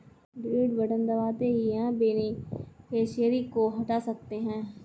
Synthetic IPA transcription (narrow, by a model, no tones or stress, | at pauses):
ɖɾiːɖbəɖə̃nd̪əʋaːt̪eɦiãːbeːnikeːʃeɾikoːɦɐʈaːsək̚t̪eɦɛ̃ː